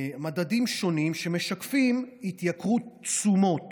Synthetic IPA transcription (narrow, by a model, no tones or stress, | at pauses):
madadimʃo̞nimʃe̞me̞ʃakfimhit̪jakʁut͡sumo̞t